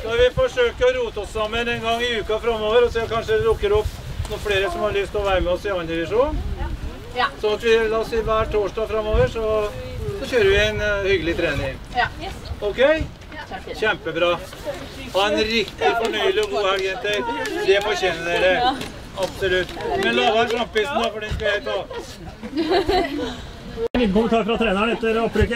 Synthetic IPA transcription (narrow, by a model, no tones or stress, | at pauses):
d̪ɑʋɪfɔʂøːkəɾɔɾuːt̪əɔsːɑmːənɛnɡɑŋːɪʉːkɑfɾɑmːoːʋəɾɔsɔɛkɑnʂəd̪ɛd̪ʊkːəɾɔpː | nɔkfɽeːɾəsɔmhɑɭʏst̪ɔʋæɪɾəmɛɔsɪɑɪnd̪ɪʋɪʂuːn | sɔnɑt̪ʋɪlɑɔsiːʋæːʈʰoːʂʈɑːɡfɾɑmːoːʋəɾʂɔsɔçøːɾəɾʋɪɛɪnhʏɡəlɪt̪ʰɾeːnɪ | ɔkʰɛɪ | çɛmpəbɾɑː | hɑɾɛnɾɪkt̪ɪfɔɳœʏlɪɔɡoːhælɡɛnt̪əɾd̪ɛfɔɾçeːnəɖæɪɖ̪ɛ | ɑpsɔlʉt̪ːmɛnlɑːʋɑɾkɾɑmpːɪsn̩ɑfɔɖɛnskɑjæɪt̪ʰɑː | nɪnəkʊmənt̪ɑːɾfɾɑt̪ʰɾeːnəɳɛt̪ːəɾɔpːɾøːkə